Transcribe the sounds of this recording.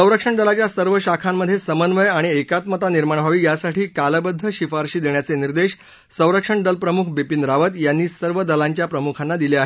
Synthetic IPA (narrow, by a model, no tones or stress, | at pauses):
ə̃w̃ɾəkʂəɳɖ̪əlat͡ɕjasəɾʋəɕakʰamːəd̪ʱːjesəmənʋəjaɽ̃iekat̪mət̪aniɾmaɳbʱaʋiːjasaʈiːkaləbəd̪ʱːəɕifaɾɕiːd̪eɳjat͡seniɾd̪eɕ | sə̃w̃ɾəkʂəɳɖ̪əlpɾəmukʰbepind̪ɾaʋət̪janːiːsəɾʋəd̪əlaɲt͡ɕjapɾəmukʰanːad̪ileaɦe